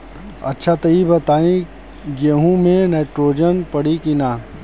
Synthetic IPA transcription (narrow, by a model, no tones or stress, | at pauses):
ɐ̰tːʃʰat̪ɐibɐt̪aːĩ | ɡeɦũmẽneːʈɾoːd͡ʒənpɐɽikɪnaː